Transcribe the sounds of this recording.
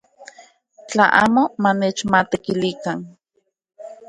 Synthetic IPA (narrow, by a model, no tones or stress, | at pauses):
t͡ɬaʔa̰ːmomaneːt͡ʃmat̪ekilikan